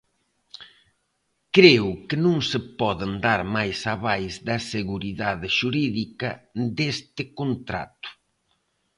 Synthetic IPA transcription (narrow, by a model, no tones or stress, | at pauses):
kɾewkɪnũŋsɪpɔðend̪aɾmajsɐβajzd̪ɐseɣuɾiðaðɪʃuɾiðikɐd̪est̪ɪkont̪ɾa̰t̪ʊ̥